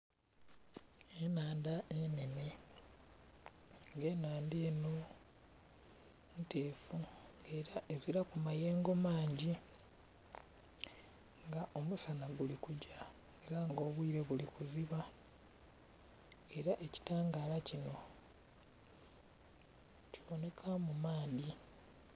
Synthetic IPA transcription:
enaːndaʔene̞ne̞ | ŋɡe̞naːndeːno | mte̞ːfue̞ɾaʔe̞ziɾakumaje̞ːŋɡomaːɲɟi | ŋɡaʔo̞musanaɡulikuɟa | eɾaŋɡo̞ːβwiɾe̞βulikuziβa | e̞ɾaʔe̞ci̥taːŋɡaːlacino̞ | ciβo̞ne̞kʰamumaːdi

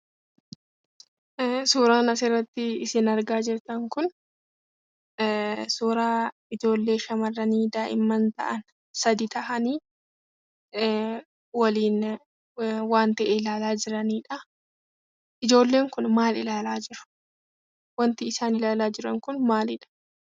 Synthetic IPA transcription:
suːɾaːnɐs̬erːɐt̪ːɪɪsɪnɐɾɡaːd͡ʒɪɾt̪ɐŋkʊn | suːɾaː | ɪd͡ʒo̞ːlːe̞ːʃɐmɐrːɐniːd̪aːʔɪ̰mːɐnt̪ɐ̰ʔɐn | sɐd̪it̪ʰɐʔɐniː | wɐliːn | waːnt̪ɐʔɛɪlaːlaːd͡ʒɪɾɐniːᶑɐ | ʔɪd͡ʒo̞ːlːe̞ːŋkʊnmaːlɪlaːlaːd͡ʒɪɾʊ̥ | wɐnt̪ɪːsaːnɪlaːlaːd͡ʒɪɾɐŋkʊnmaːlɪᶑɐ̥

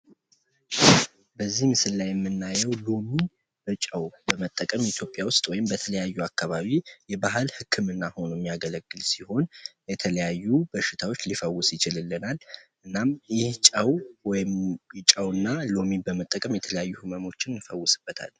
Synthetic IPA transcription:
bəzːihmɨsɨlːajɛmːɨnːajɛwlo̞mi | b̥ət͡ʃʼəwbəmət̪ʼːəkʼəmit̪ʰjo̞pʼjawʊst̪ʼwɔjɪmbət̪ʰələjajːuakʰːaβaβijɛbaɦɨlhɨkʰːɨmɨnːaho̞nujɛmːijaɡələɡːɨlsiho̞njɛt̪ʰələjajːubəʃːɪt̪ʰawo̞t͡ʃːlifəwːʊsjɪt͡ʃɪlɨlːɨnalʔɨnːamjɪht͡ʃʼəwwjɪmjɪt͡ʃʼəwɨnːalo̞mibəmət̪ʼːəkʼəmjɛt̪ʰələjajːuhɨməmo̞t͡ʃːɪnjɨfəwːʊsɨb̥ːət̪ʰa̰l

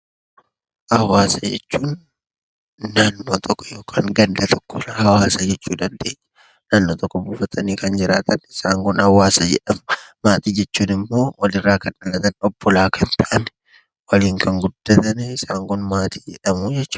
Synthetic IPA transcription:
hɐwaːsɐd͡ʒɛ̰t͡ʃːuːn | aːnːoːt̪ʰɔkːɔ̥joːkʰaːŋɡɐnd̪ɐt̪ʰɔkːɔhɐwaːsɐd͡ʒɛt͡ʃːuːd̪ɐnd̪eːɲːɐ | naːnːoːt̪ɔkːɔbuːfɐt̪ʰɐniːkɐnd͡ʒɪɾaːt̪ɐnɪsaːŋkʊnhɐwaːsɐd͡ʒɛ̰ᶑɐmʊmaːt̪iːd͡ʒɛt͡ʃːuːnɪmːo̞ːwʔɐlɪrːaːkɐnɐlɐt̪ɐnɔbːɔlaːkʰɐnt̪ɐʔɐn | wɐliːŋkʰɐŋɡʊd̪̥ːɐt̪ɐnɪsaːŋkʊnmaːt̪i̥ːd͡ʒɛᶑɐmud͡ʒɛt͡ʃː

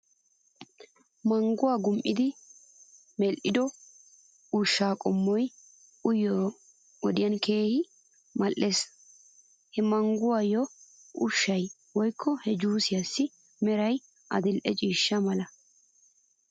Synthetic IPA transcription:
mɐŋɡʊwaːɡʊmʔɪd̪ɪ | mɛlʔɪd̪ɔ | ʊʃːaːkʼɔmːɔj | ʊjɔ | ɔd̪ɪjɐnke̞ːhɪ | mɐlʔːe̞ːs | hɛmɐŋɡʊwaːjɔʔʊ̰ʃːɐj | wɔjkʰːɔhɛd͡ʒuːsɪjɐsːɪ | mɛɾɐj | ʔɐ̰d̪ɪlʔɛt͡ʃʼiːʃːɐmɐlɐ

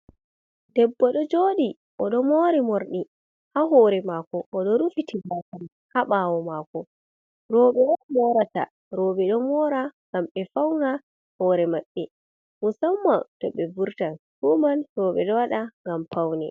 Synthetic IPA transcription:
dɛbːɔɗɔd͡ʒoːɗi | ʔɔɗɔmoɾimoɾɗi | haɦɔːɾɛmakɔʔːɗɔɾufitibatan | haɓaːwɔmakɔ | ɾɔːɓɛamɔɾata̰ | ɾoːɓɛɗɔmɔːɾaŋɡamɓɛfawna | hɔːɾɛmaɓːɛ | musamːatɔɓɛbuɾtanhumanrɔɓɛɗɔwaɗaŋɡampʰawnɛ̰

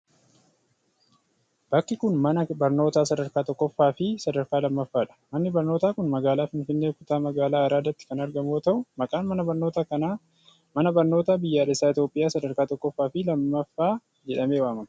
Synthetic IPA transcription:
b̥ɐkːɪkʊnmɐnɐbɐɾno̞ːt̪aːsɐd̪ɐɾkaːt̪ɔkːɔfːaːfɪsɐd̪ɐɾkaːlɐmːɐfːaːᶑɐ̥mɐnːɪbɐɾnoːt̪aːkʊnmɐɡaːlaːfɪnfɪnːe̞ːkʊt̪aːmɐɡaːlaːɐɾaːd̪ɐt̪ːɪ̥kɐnɐɾɡɐmoːt̪ɐʔʊmɐkʼaːnmɐnɐbɐɾnoːt̪aːkɐna | mɐnɐbɐɾno̞ːt̪aːbɪjːaːᶑɛsaːɪt̪joːpʼːɪjaːsɐd̪ɐɾkaːt̪ɔkːɔfːaːfɪlɐmːɐfːaː | d͡ʒɛᶑɐmeːwaːmɐm

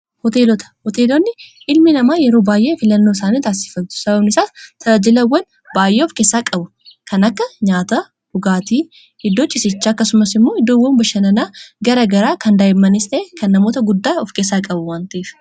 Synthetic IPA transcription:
hɔt̪eːlɔt̪ɐ̥hɔt̪eːlɔnːɪʔɪlmɪnɐmaːjɛɾo̞ːbaːjʔe̞ːfɪlɐnːo̞ːɪsaːniːt̪aːsɪ̥fɐlt̪ʊ̥sɐbɐbnɪsaːt̪ʰɐɐd͡ʒɪlɐwːɐn | baːjʔeːɔfkeːsːaːkʼɐbʊ | kɐnɐkːɐɲaːt̪ɐ | hʊɡaːt̪iː | hɪd̪ːoːt͡ʃʼɪsɪt͡ʃːaːɐkːɐsʊmɐsɪmːo̞ːɪd̪ːoːwːɐnbɐʃɐnɐnaːɡɐɾɐɡɐɾaːkɐnd̪aːjɪmːɐnɪst̪eeːkɐnːɐmoːt̪ɐɡʊd̪ːaːɔfkeːsːaːkʼɐbʊwaːnt̪ɐiːf

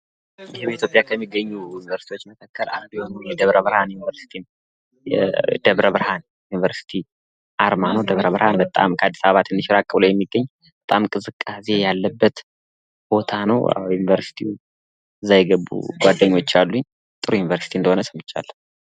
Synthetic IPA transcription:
jɪheβit̪ʰjo̞pʼjakʰəmːiɡːəɲːujunivəɾsit̪ʰiwo̞t͡ʃːməkʰakʰːəla̰nd̪ujonunjɛd̪əβɾəβɨɾhanjunivəɾsi̥t̪ʰim | ɛd̪̥əβɾəβɾhan | junivəɾsi̥t̪ʰi | ʔaɾmanod̪əβɾəβɾhanbət̪ʼa̰mkʰəad̪ːi̥saβaβat̪ʰɨnːɨʃɾakʼːəβləwjɛmːiɡːəɲː | b̥ət̪ʼamkʼɨzɨkʼːase̞jalːəbːət̪ | b̥o̞t̪ʰanəwa̰junivəɾsi̥t̪ʰiu | zajɡəβṵɡʷwad̪ːəɲːwo̞t͡ʃːalːuɲː | t̪ʼɨɾujunivəɾsi̥t̪ʰiɨnd̪əhonəsɨmːɨt͡ʃʼːa̰lːə

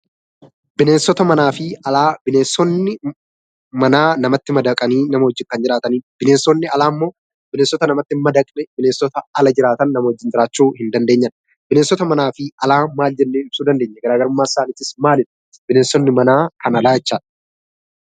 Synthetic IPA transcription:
bɪne̞ːnsɔt̪ɐmɐnaːfɪɐlaːbɪneːnsɔnːɪ | mɐnaːnɐmɐt̪ːɪmɐd̪ɐkʼɐniːnɐmɐhɔd͡ʒːɪŋkɐnd͡ʒɪɾaːt̪ɐniːb̥ɪneːnsɔnːɪɐlaːmːo̞ː | b̥ɪneːnsːɔt̪ɐnɐmɐt̪ːɪmɐd̪ɐkʼnɛbɪneːnsɔt̪ɐɐlɐd͡ʒɪɾaːt̪ɐnːɐmɐhɔd͡ʒːɪnd͡ʒɪɾaːt͡ʃːuːhɪnd̪ɐnd̪e̞ːɲːɐn | b̥ɪneːnsɔt̪ɐmɐnaːfɪɐlaːmaːld͡ʒɛnːeːɪb̥suːd̪ɐnd̪e̞ːɲːɛɡɐɾaːɡɐɾʊmːaːɪsaːnɪːt̪ɪsmaːlɪn | bɪneːnsɔnːɪmɐnaːkʰɐnɐlaːd͡ʒɛt͡ʃːaːᶑɐ

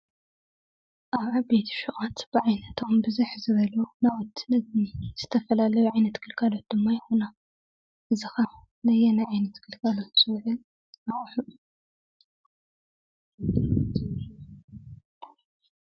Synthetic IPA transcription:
ʔaβʕabet̪ʰi̥ʃuʔʼat̪b̥ɨʕajnɐt̪ʰo̞mbɨzuħzɨβɐlunawɔt̪ːɨnɐzniz̥ɨt̪ʰɐfɐlalɐjuʕajnɐt̪kʰɨlkʰalot̪̚d̪ɨmːajɪxona | ʔɨzɨxɐ | nɐjɛnajʕajnɐt̪kʰɨlkʰalot̪sɨwʕɨl | aχʼħu

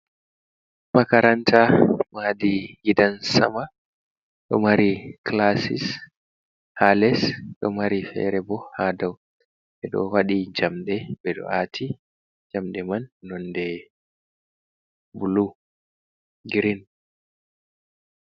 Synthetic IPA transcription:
makaɾantʰamadiɡidansa̰ma | ɗɔmaɾiklasḭs | halɛsɗɔmaɾifɛ̰ɾɛbɔhadaw | ɓɛɗɔ̰waɗid͡ʒamɗɛbɛɗɔ̰ʔatʰi | d͡ʒamɗɛmanːɔndɛ | bulu | ɡiɾin

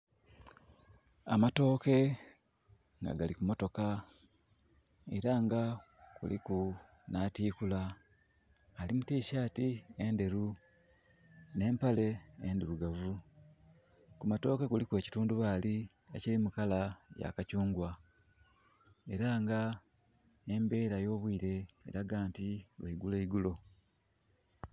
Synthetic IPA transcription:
a̰mato̞ːke̞ | ŋɡa̰ɡalikumo̞to̞ka | e̞ɾaŋɡa | kṵlḭku | natiːkula | limutiːʃaːtie̞nde̞ɾu | ne̞ːmpale̞enduɾuɡavu | kumato̞ːkekulikwe̞ːci̥tuːnduβaːli | ḛcilimukalaja̰kacuːŋɡwa | e̞ɾaŋɡa | embe̞ːɾajo̞ːβwiːɾe̞̰ːɾaɡaːntiβeiɡule̞iɡulo̞

